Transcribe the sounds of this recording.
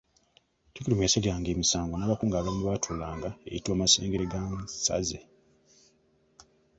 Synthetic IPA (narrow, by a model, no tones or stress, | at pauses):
tikilimeselijaːŋɡeːmisaːŋɡonaːβakuːŋɡaːβaindwatʰulaːŋɡaḛjitwaːmaseːŋɡeɾeɡansa̰ze